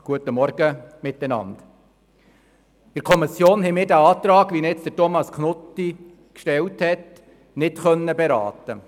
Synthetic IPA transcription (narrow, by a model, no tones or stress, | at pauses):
ɡ̥uətəmɔɾɡ̥əmɪt̪ɛnɑ̰nd̥ | ɪɾkʰɔmisjoːnɦɛmɪːɾdæɑːt̪ɾɑːɡʋinɪt͡sd̥̪ətɔmɑskʰnʊtːi | kʃtɛlthɛt | nɪtχœnːəbɛɾɑ̰ːt̪ə